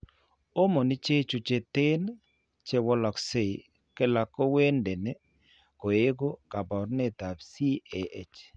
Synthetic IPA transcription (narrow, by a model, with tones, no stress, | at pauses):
o˦mo˨nɪ˦t͡ʃe˦t͡ʃu˨t͡ʃe˨t̪e˦n | t͡ʃe˦wɔ˦lɔ˨kse˦˨i˨ | ke˦la˨ko˦we˦nde˨ne˦ | ko˨e˦ɡo˦ka˨bɔ˨ɾne˦t̪a˨bsi˦e˨ʔe˨t͡ʃ